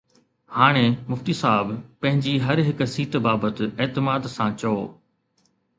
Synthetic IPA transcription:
haːɽ̃emʊft̪iːsaːbpɐ̃ɦɪ̃ɲd͡ʑiɦɐɾɦɪksiːt̪baːbət̪ɪ̆eːt̪ɪmaːd̪sãt͡ɕɐoː

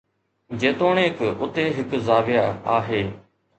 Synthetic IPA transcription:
d͡ʑeːt̪oːɳeːkʊt̪eːɦɪkzaːʋɪjaaːɦeː

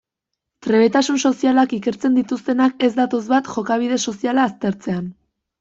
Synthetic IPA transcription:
t̪ɾe̞βe̞t̪asunso̞sialakike̞ɾt͡se̞nd̪it̪ust̪e̞nake̞zd̪at̪o̞zβat̪ʝo̞kaβ̞ið̞e̞so̞sialaːst̪e̞ɾt͡se̞an

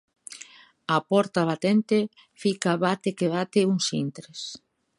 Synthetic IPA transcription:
apɔɾt̪aβ̞at̪ent̪e | fikaβat̪ekeβat̪ɪuŋsḭnt̪ɾes

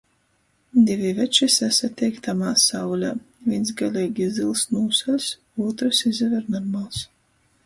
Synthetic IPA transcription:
d̪ʲivʲivʲɛt͡ʃisæsat̪ʲːɛjkt̪amaːsawlʲa | vʲinsɡalʲɛːɡʲizilˠsnuːsalʲs | uɔt̪ɾɨsizʲɛvɛɾnɔɾmalˠs

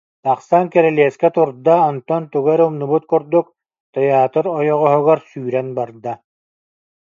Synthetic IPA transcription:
t̪aqsaŋkɛɾɛliɛskɛt̪uɾd̪aɔnt̪ɔnt̪uɡɛɾumnubut̪̚kuɾd̪uk | t̪ɛjaːt̪ɔɾɔjɔʁɔɦɔɡɔɾsyːɾɛnbaɾd̪a

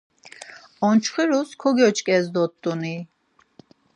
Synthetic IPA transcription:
ɔnt͡ʃʰχiɾuskʰɔɡɔt͡ʃʰʼkʼɛzd̪ɔt̪ʼːuni

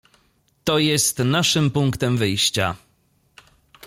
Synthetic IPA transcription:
t̪ɔjɛst̪naʂɘmpuŋkt̪ɛmvɘjɕt͡ɕa̰

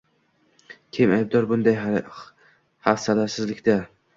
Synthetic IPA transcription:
kʲʰemajb̚d̪ɒɾbʊnd̪aj | hafsalaɾsɪzlɪkʲd̪a

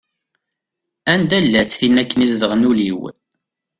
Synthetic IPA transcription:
ænd̪ælːæt͡sːθinækːənizðəʁnuliw

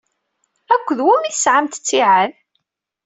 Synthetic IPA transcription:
ækʷːəðwæmiθəsʕamt̪ə̥t͡sːiʕað

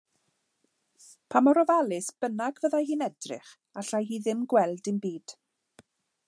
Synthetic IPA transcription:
pʰamɔɾɔvalˠɪsb̥ənaɡvəðahiːnɛdrɪ̰χ | aɬajhiːðɪmɡwɛlˠdɪnbiːd̥

